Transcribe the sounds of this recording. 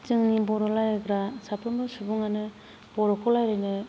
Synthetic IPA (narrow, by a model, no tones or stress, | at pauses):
t͡ʃɯŋnibɔɾɔlajɯɡɾasapʰɯmbɯsubuŋanɯ | b̥ɔɾɔkʰɔlajɾɯjnɯ